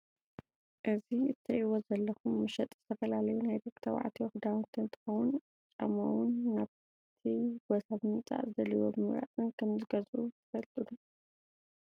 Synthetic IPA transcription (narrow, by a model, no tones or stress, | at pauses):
ʔɨziɨt̪ʰːɨʔiwozɐlːɐkʰumːɨʃɐt̪ʼz̥ɨt̪ʰɐfɐlalɐjunajd̪okt̪ʰɐw̰ʕa̰t̪ʰiwxd̪awɨnt̪ʰɨnt̪ʰɨ̥xɐwun | t͡ʃʼɐ̰mo̰wʊnːaβ | t̪ʰiɡ̥ɔsaβmɨt͡sʼa̰ʔzɨd̪ɐliwo̰bɨmɨmɾa̰t̪ʼɨnkʰɐmzɨɡɐzut̪ʰɨ̥fɐlt̪ʼulu